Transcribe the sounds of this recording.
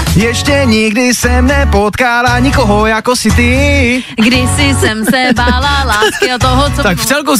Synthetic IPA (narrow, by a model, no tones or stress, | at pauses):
jɛʃcɛɲɪɡdɪsɛmnɛpot̪kaːlaɲɪkoɦojakosɪt̪ɪ | ɡdɪsɪsɛmsɛbaːlalaːskɪat̪oɦot͡st̪akft͡sɛlk̬u